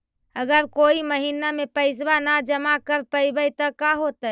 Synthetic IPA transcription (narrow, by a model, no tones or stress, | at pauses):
əɡəɾkoiməɦinamepəɪs̬banad͡ʒəmakəɾpəjbəjt̪əkaɦot̪ə